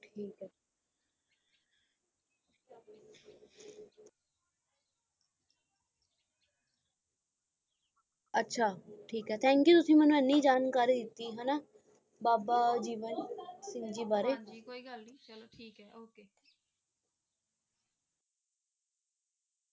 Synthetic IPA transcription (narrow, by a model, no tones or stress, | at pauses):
ʈʰiːkː | ətːʃʰaːʈʰiːkɦɛːt̪ʰɛ̃ːŋkjuːt̪ʊsĩːmɛ̃ːnːũːenːiiːd͡ʒaːnkaːɾiːd̪ɪt̪ːiːɦɛːnaː | baːbaːd͡ʒiːʋənsɪ̃ŋd͡ʒiːbaːɾeːililʈʰiːkɛoke